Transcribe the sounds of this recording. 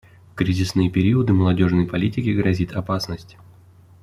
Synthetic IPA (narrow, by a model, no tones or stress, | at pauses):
kɾʲizʲɪsnɨjəpʲɪɾʲiəd̪ɨməlˠɐdʲo̞ʐnəjpɐlʲitʲɪkʲɪɡɾɐzʲit̪ɐpasnəsʲtʲ